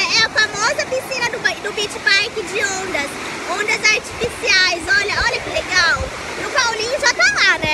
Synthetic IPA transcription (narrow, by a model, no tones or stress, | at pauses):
ɛɛɐfamɔzɐpisĩnɐd̪ʊbɐd̪ʊbit͡ʃɪ̥pajkɪd͡ʒɪõnd̪ɐs | õnd̪ɐzaɾt͡ʃi̥fisiajzɔʎɐɔʎɐkɪleɡaw | nʊpawlĩɲʊʒat̪alanɛ